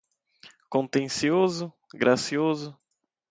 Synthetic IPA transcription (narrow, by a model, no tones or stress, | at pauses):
kõnt̪ẽsiozʊ | ɡɾʔasiozʊ